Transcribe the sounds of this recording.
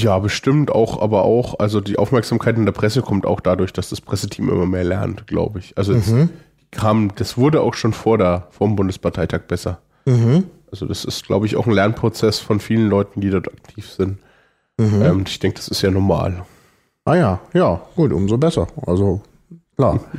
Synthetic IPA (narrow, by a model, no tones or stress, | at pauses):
jaːbəʃtɪmtʔa̰ʊxʔa̰ːbɐʔa̰ʊxʔa̰lzodiːʔaʊfmɛɐkz̥aːmkʰaɪtɪndeːɐpʁ̥ɛsəkʰɔmta̰ʊxd̥adʊɐçd̥asd̥aspʁ̥ɛsətʰiːmʔɪ̰mɐmeːɐlɛɐntɡ̥la̰ʊbəɪçʔalzod̥ikʰaːməd̥asv̥ʊɐdəa̰ʊxʃoːnfoːɐdeːɐfoːɐmbʊndəspʰaɐtʰaɪtʰaːk̚b̥ɛsɐ | h̩ʔalzodasɪstɡ̥la̰ʊbəɪça̰ʊxn̩lɛɐnpʁ̥ot͡sɛsfɔnfiːlənlɔʏtn̩diːdɔɐtak̚tʰiːfz̥ɪnt̩ | ɦʔɛːmɪçd̥ɛŋkəd̥asɪstjaːnɔɐma̰ːl | ʔaːjaːjaːɡ̥uːtʔʊ̰mzoːbɛsɐʔa̰lzo | kʰlaː